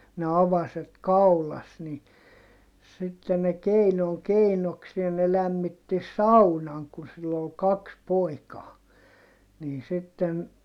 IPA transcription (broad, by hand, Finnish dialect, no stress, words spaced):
ne ɑʋɑset kɑulɑs ni sitːe ne keinoŋ keinoksie ne læmːitːi sɑunɑŋ kun silː ol kɑks poikɑː niːn sitːen